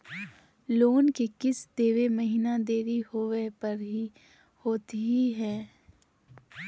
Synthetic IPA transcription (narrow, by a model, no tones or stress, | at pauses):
loːnkekɪsd̪eːʋeməɦiːnad̪eːɾiɦoʋepɐɾɦi | hoːt̪iɦiɦɛ̃ː